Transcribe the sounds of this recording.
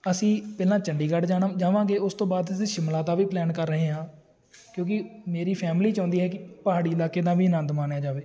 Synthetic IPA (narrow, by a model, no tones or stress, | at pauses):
əsĩːpɛːlãːt͡ʃəɳɖiːɡəɖd͡ʒaːnãd͡ʒaːʋãːɡeːʊst̪õːbaːd̪siʃɪmlaːt̪aːʋiːplɛːnkəɾːəɦẽːɦãː | kjõːk̬ɪmeːɾiːpʰɛːmliːt͡ʃãːnd̪iːɦɛːkɪpəɦaːɽiːɪlaːkeːt̪ãːʋiːnə̃nd̪maːnjaːd͡ʒaːʋeː